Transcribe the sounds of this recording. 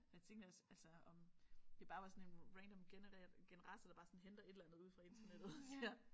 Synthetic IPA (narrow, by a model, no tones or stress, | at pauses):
æt͡sʰe̝ŋɡd̥ɒsælsɒɒ̽md̥e̝b̥ɑ̈ːʋɑ̈sɒ̽ne̝nʁænd̥ɒ̽mɡ̥enəʁɛːɐdɡ̥enəʁɑ̈sɐd̥ɑ̈b̥ɑ̈ːsɒ̽n̩ɦend̥ɐe̝d̥elænðˠuð̰ˠfʁɑ̈e̝nt͡sʰɐned̥ð̞̩ˠsiɐ